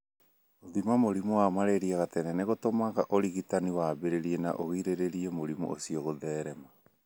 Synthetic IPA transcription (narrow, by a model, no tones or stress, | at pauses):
oðimamoɾimuwamaɾeɾiaɣatɛnɛneɣotomaɣaʔoɾiɣitaniwabeɾeɾiɛna̰ʔoɣiɾeɾeɾiɛmoɾimṵʔosiɔɣoðɛːɾɛma